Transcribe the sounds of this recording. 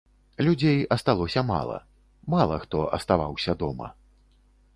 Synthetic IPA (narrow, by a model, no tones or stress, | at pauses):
lʲud͡zʲejɐst̪alˠɔsʲɐma̰lˠɐ̰ | malˠɐxt̪ɔʔɐst̪avawsʲɐd̪ɔmɐ̰